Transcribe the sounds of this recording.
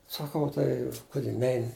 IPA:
sɐˈkɐʊ ˈtɐɪ ˈkʊdʲɪ ˈnʲɛɪnʲɪ

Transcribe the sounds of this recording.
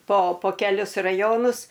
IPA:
poː poː kʲɛˈlʲʊs rɐˈjoːnʊs

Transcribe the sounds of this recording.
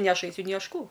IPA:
nʲɪ ˈɐʃ ˈɐɪsʲʊ nʲɪ ˈɐʃ ˈkuː

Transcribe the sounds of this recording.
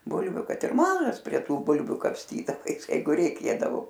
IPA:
ˈbʊlʲʋʲʊ ˈkɐt ɪr ˈmɑːʒɐs pʲrʲiɛ ˈtuː ˈbʊlʲʋʲʊ kɐpʲˈsʲtʲiːdɐʋɐɪs ˈjɛɪɡʊ rʲɛɪˈkʲeːdɐʋoː

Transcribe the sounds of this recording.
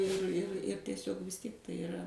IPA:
ɪr ɪr ɪr tʲɛˈsʲoːk ʋʲɪs ˈtʲiɛk tɐɪ ɪˈrɐ

